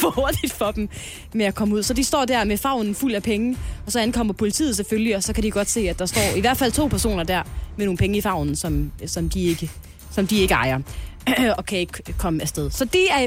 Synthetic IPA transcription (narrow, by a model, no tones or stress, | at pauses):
fho̝ɐd̥id̥fɒ̽d̥m | meækʰɒ̽məuð̰ˠsɒ̽d̥isd̥ɒ̰ːd̥æɐmefɑ̈ʊ̰nn̩ful̰æpʰeŋəɒ̽sɒænkʰɒ̽m̰ɐpʰo̝lit͡sʰḭːð̩ˠs̬eføljiɒ̽sɒ̽kʰæɾ̥iɡ̥ɒ̽d̥se̝̰ːæd̥ɑ̈sd̥ɒ̰ːiʋæɐd̥fæl̰t͡sʰo̝̰ːpʰæɐso̝̰ːnɐd̥æɐ̰meno̝ːŋnpeŋəifɑ̈ʊ̰nn̩sɒ̽msɒ̽md̥ie̝ɡ̥ə | sɒ̽md̥ie̝ɡ̥əɑ̈ɪɐ | ɒ̽kʰæe̝ɡ̥əkʰɒ̽məæsd̥eðˠsɒ̽d̥eæɐ